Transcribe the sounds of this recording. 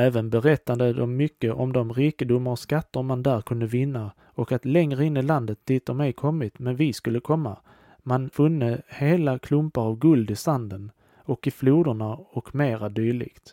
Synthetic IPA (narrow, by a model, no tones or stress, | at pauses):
ɛːvənbɛɾɛt̪ːad̪əd̪ɔmːʏkːəʔɔmd̪ɔmɾiːkəd̪ʊmːaɾɔskat̪ːəɾmand̪æːɾkʰɵnd̪əvɪnːa | ɔkat̪lɛŋɾəɪnːɪland̪ət̪̚d̪iːt̪̚ːɔmɛjkʰɔmːɪt̪mɛnvɪskɵlːəkʰɔmːa̰ | manfɵnːəheːlakʰlɵmpaɾavɡɵld̪ɪsand̪ən | ɔkɪfluːd̪əɳaɔkmeːɾad̪yːɭɪ̰ɡ̥t̪